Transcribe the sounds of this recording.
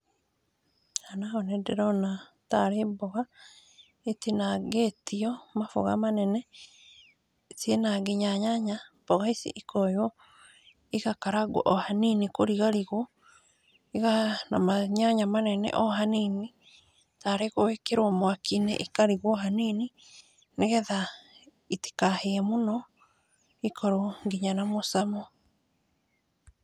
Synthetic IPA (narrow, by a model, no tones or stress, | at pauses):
anaonɛdɛɾɔna | taɾebɔɣa | etenaɣetiɔmafo̰ɣa̰manɛnɛ | sienaɡeɲaɲaɲa | b̥ɔɣaisḭʔikɔjɔ | iɣakaɾaɡwo̰ʔɔhaninikoɾiɣaɾiɣo | iɣanamaɲaɲamanɛnɛ̰ʔɔɦanini | taɾeɣoekeɾomwakinɛ̰ʔikaɾiɣwɔɦanini | neɣɛða | iti̥kaheɛmonɔ | ikʰɔɾoŋɡiɲanamosamɔ